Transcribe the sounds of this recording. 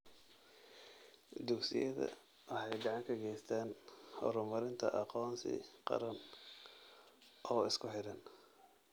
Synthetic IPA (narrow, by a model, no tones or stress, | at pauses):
d̪ʊksɪ̰jɐðɐ̰ | wɑħɑjɡɑʕɑŋkʰɐɡɛjst̪ʰaːnhɔ̰ɾʊmɐɾɪnt̪ʰɐ̰ʔɑqɔːnsɪ̰qɑ̰ɾɐn | ʔɔːɪskʰʊħɪɾɐn